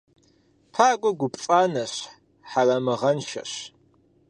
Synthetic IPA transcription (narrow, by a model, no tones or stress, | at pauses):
pʰaːɡʷʊɡʷʊpʼaːnɐɕ | ħarɐmɨʁɐnʃɐ̰ɕ